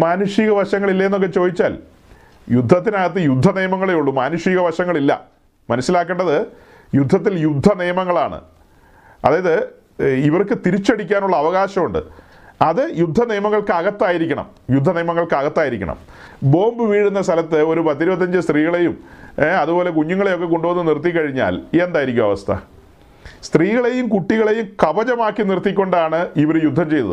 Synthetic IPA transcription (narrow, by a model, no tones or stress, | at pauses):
maːnuʂiːɣɐʋɐʂɐŋːɐɭilːɐjenːok̬ːe̞t͡ɕo̞ːðit͡ɕːa̰ːl | jud̪ʱːɐt̪ːinaːɣɐt̪̬ːɨjud̪ʱːɐnijɐmɐŋːɐɭejuɭːumaːnuʂiːɣɐʋɐʂɐŋːɐɭilːɐ̰ | mɐnɐsːilaːkːeːɳɖɐðɨ | jud̪ʱːɐt̪̬ːiljud̪ʱːɐnijɐmɐŋːɐɭaːɳɨ̰ | ɐ̰ðaːjɐðɨ | iʋɐrkɨt̪iɾit͡ɕːɐɽikʲːaːnuɭːɐːʋɐɣaːɕɐmuɳɖɨ̰ | ɐðɨjud̪ʱːɐnijɐmɐŋːɐɭkɨɐɣɐt̪ːaːjiɾikʲːɐɳɐ̰m | jud̪ʱːɐnijɐmɐŋːɐɭkɐɣɐt̪ːaːjiɾikʲːɐ̰ɳɐ̰mbo̞ːmbɨʋiːɽunːɐst̪ʰɐlɐt̪ːɨo̞ɾupɐt̪ːiɾubɐt̪ːɐɲd͡ʑɨst̪riːɣɐɭe̞jumɐðubo̞ːle̞kuɲːuŋːɐɭe̞jokːe̞ko̞ɳɖuʋɐnːɨnirt̪̬ːikːɐɻiɲːa̰ːliend̪aːjiɾikʲːumɐʋɐst̪ʰɐ̰ | st̪riːɣɐɭe̞jumkuʈːiɣɐɭe̞jumkɐʋɐt͡ɕɐmaːkːinirt̪ːikʲːo̞ɳɖaːɳɨiʋɐɾjud̪ʱːɐmt͡ɕe̞jt̪ɐ̰ðɨ̰